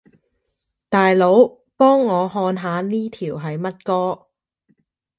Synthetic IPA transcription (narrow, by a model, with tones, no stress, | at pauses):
t̪aː˨jlo˨˥w | pɔː˥ŋːɔː˨˧ɦɔː˧nɦaː˨˧niː˥t̪ʰiː˨˩wɦɐ˨˧jmɐ˥t̚kɔː˥